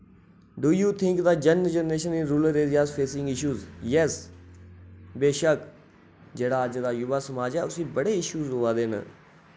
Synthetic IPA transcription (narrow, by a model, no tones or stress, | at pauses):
ɖuːjuːt̪ʰɪ̃ŋkd̪aːd͡ʒənd͡ʒənɾeːʃənɪɾuːləɾezaːzpʰeːsɪ̃ŋɡɪʃuːzjɛs | beːʃək | d͡ʒeːɽaːəd͡ʒd̪aːjʊʋaːsəmaːd͡ʒɛːʊsĩːbəɽeːɪʃuːzɦoːaːd̪eːnə̰